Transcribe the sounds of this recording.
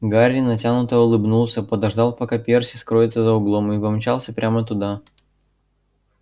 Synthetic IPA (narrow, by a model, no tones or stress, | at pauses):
ɡaɾʲɪnɐtʲanʊt̪əʊlˠɨbnulˠsʲəpəd̪ɐʐd̪ɑlˠpɐkapʲersʲɪ̥skɾo̞ɪt̪səzəʊɡlˠomɪvɐmt͡ɕalˠsʲəpɾʲʔamət̪ʊd̪a